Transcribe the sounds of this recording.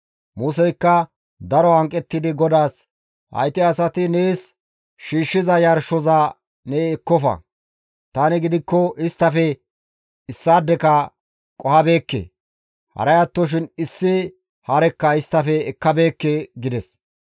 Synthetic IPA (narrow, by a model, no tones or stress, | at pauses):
muːsɛjkːɐ | d̪ɐɾɔhɐŋkʼːɛt̪ːɪd̪ɪɡɔd̪aːs | hɐ̰jt̪ɪɐsɐt̪ɪneːs | ʃiːʃːɪzɐjɐɾʃɔza | neːkːɔfɐ̰ | t̪aːnɪɡɪd̪ɪkːɔʔɪst̪ːɐfɛ | ɪsːaːd̪ːɛkɐ | kʼɔhɐbe̞ːkːḛ | hɐ̰ɾɐjɐt̪ːɔʃ̬ɪnɪsːɪ | hɐɾɛkːɐɪst̪ːɐfɛːkːɐbe̞ːkːeɡɪd̪ɛs